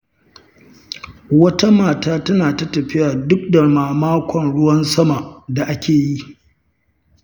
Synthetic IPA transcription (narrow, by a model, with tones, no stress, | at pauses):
wɐ˦ta˦maː˨taː˦tɐ˦naː˨ta˦tɐ˨ɸɪ˦jaː˨dʊ˦k̚da˨maː˨maː˦kʷɔ˨nɽʊ˦wɐ˦nsɐ˦ma˨da˨ʔa˦kʲeː˨ji˦